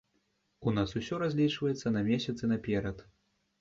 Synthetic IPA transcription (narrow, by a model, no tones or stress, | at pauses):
unasusʲɔɾazʲlʲit͡ʂvɐjɛt̪sːɐnɐmʲɛsʲɐt̪sɨnɐpʲɛɾɐt̪